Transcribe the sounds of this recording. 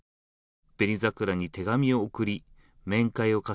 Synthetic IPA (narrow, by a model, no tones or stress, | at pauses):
b̥e̞ɾʲizakɯ̟ɾaɲ̟it̪e̞ɡamʲio̞ːkɯ̟ɾʲi | mẽ̞ŋkaio̞ka